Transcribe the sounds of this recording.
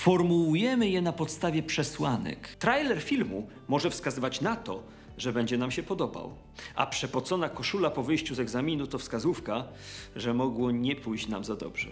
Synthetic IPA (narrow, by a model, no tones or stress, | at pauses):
fɔɾmuwujɛmɘjɛnapɔt̪st̪avʲjɛpʂɛswanɛ̰kt̪ɾajlɛɾfʲilmu | mɔʐɛfskazɘvat͡ɕnat̪ɔ | ʐɛbɛɲd͡ʑɛnamɕɛpɔd̪ɔba̰w | ʔa̰pʂɛpɔt̪sɔnakɔʂulapɔvɘjɕt͡ɕuzɛɡzamʲinut̪ɔfskazufkaʐɛmɔɡwɔɲɛpujɕt͡ɕnamzad̪ɔ̰bʐɛ̰